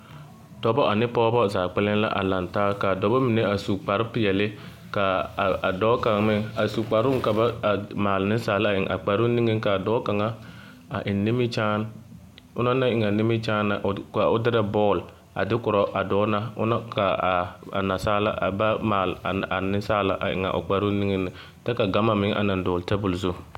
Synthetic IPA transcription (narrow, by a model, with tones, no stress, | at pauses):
d̥ɔ˨bɔ˦ʔa˨nɪ˦pɔː˦bɔ˦˨zaː˨k͡pɛ˦lɪ˦n˦la̰˦ʔa̰˨la˨ntaː˦ka˨dɔ˨bɔ˦mi˨ne˦a˨su˨k͡pa˨ɾɪ˦pɪ˨jɛ˨lɪ˦ | ka˨a˨dɔː˦ka˨ŋmɪ˦a˨su˨k͡pa˨ɾʊ˦ŋ˦ka˨ba˦˨maː˨lnɪ˦saː˨la˨ɪ˨ŋʔa̰˨k͡pa˨ɾu˦ni˦ŋɪ˦ŋka˨dɔː˦ka˨ŋa˦ | a̰˨ʔɪ˨nːɪ˦mɪ˦t͡ʃaː˦n | ʊ˦na˦na˦ɪ˨ŋa˨nɪ˦mi˦t͡ʃaː˦nːa˨ʔka˨ʊ˦dɪ˦ɾa˦bɔː˦˨l | a̰˨dɪ˦kʊ˨ɾɔ˦ʔa˨dɔː˦na˦ʊ̰˦na˦ka˨a̰˨na˨saː˦la̰˦ʔa̰˨ba˦maː˨la˨nɪ˦saː˦la̰˨ʔa̰˨ʔɪ̰˨ŋa̰˨ʔʊ̰˨k͡pa˨ɾu˦ni˦ŋɪ˦nɪ˨ | tɛ˦ka˨ɡa˦ma˨mɪ˦ʔa̰˨na˨n˨dɔː˨lta˦bʊ˨lzʊ˦